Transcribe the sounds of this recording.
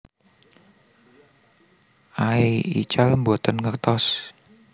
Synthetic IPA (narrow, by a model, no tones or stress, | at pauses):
ʔaiḭt͡ʃalmbɔt̪ənŋərt̪ɔs